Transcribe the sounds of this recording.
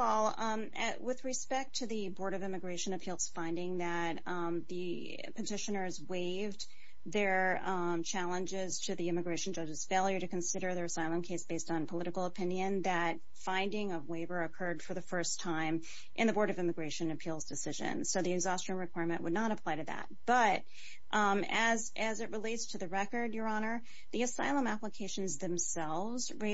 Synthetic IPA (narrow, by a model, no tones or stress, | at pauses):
ɛlˠ | wɪðɹɨspɛk̚tʰɨðɨbɔɹɾʌvɪ̃mɨɡɹeɪʃɨ̃nɨpʰilˠz̥fãɪ̃ndɪ̃ŋðɨt̪̚ | ðɨ | pʰətʰɪʃɨ̃nə˞zweɪv | ðə˞ | t͡ʃʰælˠə̃nd͡ʒɪz̥tʰɨðiɪ̃mɨɡɹeɪʃn̩d͡ʒʌd͡ʒɨz̥feɪlˠjə˞ɾɨkɨ̃n̩sɪɾə˞ðə˞ɨsaɪlˠə̃mkʰeɪsb̥eɪstn̩pʰəlɪɾɨkl̩ˠəpʰɪ̃njɨ̃nðɨt̚ | fãɪ̃ndɪ̃ŋʌvweɪbə˞ɨkʰɜ˞d̥fə˞ðɨfɜ˞stʰãɪ̃m | ʔɨ̃nðɨbɔɹɾʌvɪ̃mɨɡɹeɪʃɨ̃nɨpʰilˠzdɨsɪʒɨ̰̃nsoʊðiɨɡzɑst͡ʃɨ̃nɹɨkw̥aɪɹmɨ̃nʔwədⁿnəɾəpʰl̥aɪɾɨðæ̰t̚b̥ʌɾ̚ | ʔɨzʔɨzɨʔ̚ɹɨleɪtstʰɨðɨɹɛkə˞djə˞ɑnə˞ | ðiɨsaɪlˠə̃mæpləkʰeɪʃɨ̃n̩zðɨ̃msɛlˠvzɹe